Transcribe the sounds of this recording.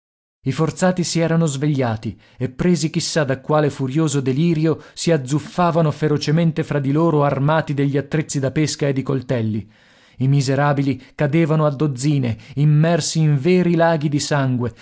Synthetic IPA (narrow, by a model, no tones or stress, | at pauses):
ifort̪saːt̪isiɛːɾanozveʎːaːt̪i | epːɾeːzik̟isːad̪akwaːlefuɾjoːzod̪eliːɾjosiad̪zufaːvanofeɾot͡ʃement̪efɾad̪ːiloːɾoarmaːt̪id̪eʎːiat̪ːɾet̪sːid̪apeskaed̪ːikolt̪ɛlːi | imizeɾaːbilikad̪eːvanoad̪ːod̪zːiːneimːɛrsiːɱvɛːɾilaːɡid̪isaŋɡwe